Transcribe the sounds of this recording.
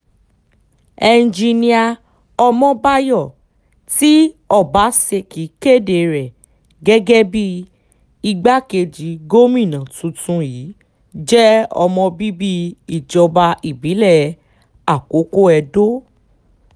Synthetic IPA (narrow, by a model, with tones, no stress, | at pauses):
ɛ˧n˨d͡ʒi˧nĩ˧a˧ | ɔ˧mɔ̃˦ba˦jɔ˦˨ | ti˦ɔ˦˨ba˨˦se˧ki˨˦ke˦˨de˨ɾɛ˨ | ɡɛ˦ɡɛ˦bi˦ | i˧ɡ͡ba˦ke˧d͡ʒi˨˦ɡo˦mĩ˦˨nã˨tũ˨˧tũ˧ji˨˦ | d͡ʒɛ˦ɔ̰˧mɔ̃˧bi˦bi˦i˦˨d͡ʒɔ˧ba˧i˨bi˨˦lɛ˦˨ | a˦˨ko˨˦ko˦ɛ˧do˦